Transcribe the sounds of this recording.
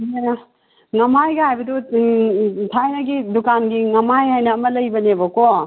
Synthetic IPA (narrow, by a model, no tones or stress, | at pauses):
ŋɐmajɡɐajbɐdu | tʰajnɐɡidukanɡiŋɐmajajnɐːmɐlɐjbɐnebɐko